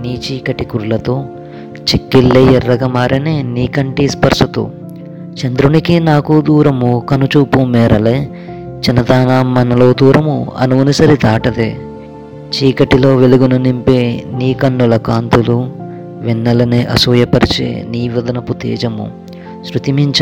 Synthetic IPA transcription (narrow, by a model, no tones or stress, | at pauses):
niːt͡ʃiːkɐʈikuɾulɐt̪o̞ː | t͡ʃekːilːeːjɛrːɐɡɐmaːɾɐneːniːkɐɳʈispɐɾʂɐt̪ṵ | t͡ʃɐnd̪ɾunikinaːkud̪uːɾɐmukɐnut͡ʃuːpumɛːɾɐleː | t͡ʃɐnɐd̪aːnaːmːɐnɐlo̞ːd̪uːɾɐmuɐ̰nuʋɐnisɐɾid̪aːʈɐd̪eː | t͡ʃiːkɐʈilo̞ːʋeluɡununimpeːniːkɐnːulɐkaːnt̪ulu | ʋinːɐlɐneːʔɐ̰suːjɐpɐɾit͡ʃḛːniːʋɐd̪ɐnɐput̪ḛːd͡ʒɐmṵ | sɾut̪imiɲt͡ʃ